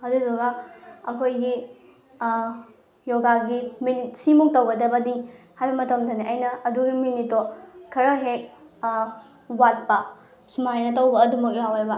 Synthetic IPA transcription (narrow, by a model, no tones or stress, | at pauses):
ɐduzoɡaɐkʰojɡi | joɡaɡiminit̚simuŋtɐwɡɐdɐbɐdi | hajbɐmɐtɐmdɐniʔɐjnɐːduɡiminitːokʰɐɾɐɦek̚ | wat̚pɐ | sumajnɐtɐwbɐːdumɐk̬̚joawajbɐ